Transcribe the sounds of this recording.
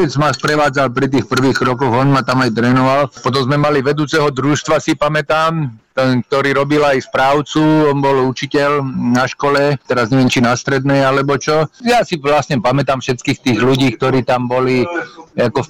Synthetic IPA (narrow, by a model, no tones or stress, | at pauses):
ɛd͡zmaspɾɛʋaːd͡zalpɾit̪̬iːxpr̩ʋiːxkɾɔkɔɣɔnmat̪amajt̪ɾɛːnɔʋalpɔt̪̬ɔmzmɛmaliʋɛd̪uːt͡sɛɦɔd̪ɾuʃt̪ʋasipamɛt̪aːmt̪ɛnk̚t̪ɔɾiːɾɔbilajspɾaːʊt͡suɔnbɔlut͡ʃicɛʎnaʃkɔlɛt̪ɛɾazɲɛʋjɛnt͡ʃinast̪ɾɛd̪nɛjalɛbɔt͡ʃɔjaːsiʋlasɲɛpamɛt̪amfʃɛt̪kiːxt̪iːɣluɟiːkt̪ɔɾiːt̪ambɔliakɔ